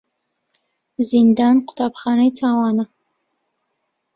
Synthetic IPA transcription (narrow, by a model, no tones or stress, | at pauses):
zind̪aːnqʰʊ̥t̪ʰaːbχɑːnɐjtʰaːwɑːnɐ